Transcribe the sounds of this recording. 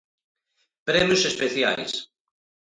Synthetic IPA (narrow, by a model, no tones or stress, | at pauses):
pɾɛmjusespeθja̰js